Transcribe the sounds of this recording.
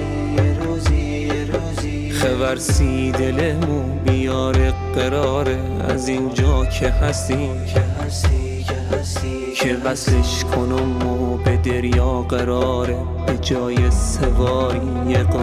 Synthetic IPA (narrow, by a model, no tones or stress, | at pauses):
χevæɾsiːd̪elemu | bijɒːɾeɢeɾɒːɾe | æ̰zind͡ʒɒːkʰehæst̪iːm | kʰevæsleʃkʰonomːobed̪eɾjɒːɢeɾɒːɾe | bed͡ʒɒːjesevɒːɾi | jeɡ